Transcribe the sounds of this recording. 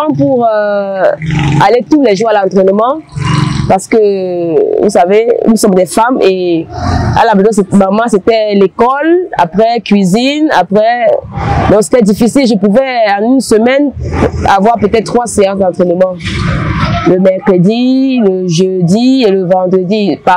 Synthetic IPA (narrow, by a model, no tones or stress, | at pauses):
ɑ̃puʁø | alet̪ulɛʒuʁalɑ̃t̪χɛnmɑ̃ | paʁsə̥kə | vṵsavenusɔmd̪ɛfame | a̰lamɛzɔ̃semamɑ̃set̪ɛlekɔla̰pχɛkɥizina̰pχɛ | d̪ɔ̃kse̥t̪ɛd̪ifisilʒəpuvɛɑ̃nynsəmɛna̰vwaʁpøt̪ɛt̪̚t̪ːχwaseɑ̃sd̪ɑ̃t̪χɛnəmɑ̃ | ləmɛʁkχəd̪iləʒød̪ieləvɑ̃d̪ʁəd̪ipa